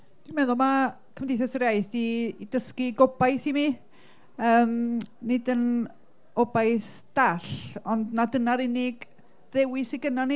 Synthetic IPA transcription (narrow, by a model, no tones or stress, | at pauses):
d̥inmɛðʊlˠma | kʰəmdɪjθɛsəɾjajθiːdəskiɡɔbajθimi | əːmnɪdən | ɔbajθd̥aɬɔndnadənaɾɪnɪɡ | ðɛwɪsiɡənani